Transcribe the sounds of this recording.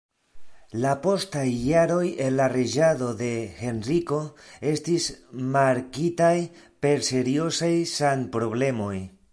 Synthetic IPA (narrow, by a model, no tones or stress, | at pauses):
lapo̞stajːaɾo̞je̞nlared͡ʒado̞de̞xe̞nriko̞e̞stismaɾkitajpe̞ɾse̞ɾio̞sajsanpɾo̞βle̞mo̞j